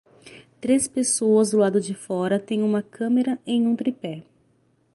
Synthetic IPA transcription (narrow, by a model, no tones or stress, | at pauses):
t̪ɾespesoɐzʊlad̪ʊd͡ʒɪfɔɾɐt̪ẽj̃ũmɐkʰɐ̃meɾɐẽj̃ũt̪ɾipɛ